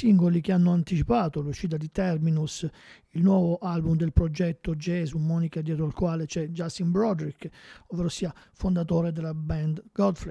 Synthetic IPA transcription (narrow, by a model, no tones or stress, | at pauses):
siŋɡolik̟eanːoant̪it͡ʃipaːt̪oluʃːiːt̪̬ad̪it̪ɛrminus | ilnwɔːvoʔalbumd̪elpɾod͡ʒɛt̪ːod͡ʒɛzumːɔːnikad̪jɛːt̪ɾoalkwaːlet͡ʃɛd͡ʒast̪imbɾɔd̪ɾikːovːeːɾosiːafond̪at̪oːɾed̪elːabɛnd̪ɡɔd̪fle